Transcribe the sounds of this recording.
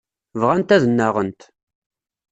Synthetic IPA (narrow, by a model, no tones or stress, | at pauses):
vʁænt̪æðənːaʁənt̪